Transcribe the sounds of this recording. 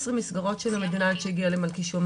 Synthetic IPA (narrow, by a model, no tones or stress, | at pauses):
sʁimisɡaʁo̞tʃelamed̪inajt̪ʃeiɡialemalkiʃom